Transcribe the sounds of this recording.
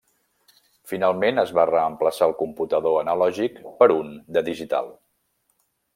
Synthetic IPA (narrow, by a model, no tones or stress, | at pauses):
finalˠmenəzβarəəmpləsaəlˠkumput̪əðoənəlɔʒikpəɾund̪əðiʒit̪a̰lˠ